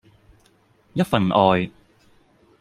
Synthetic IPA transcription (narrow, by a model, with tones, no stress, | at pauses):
jɐ˥t̚fɐ˨nʔɔː˨j